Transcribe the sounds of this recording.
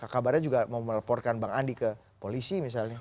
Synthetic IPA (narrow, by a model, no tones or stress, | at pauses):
kakabarɲad͡ʒuɡamawməlapɔrkanbaŋandikə | polisimis̬alɲa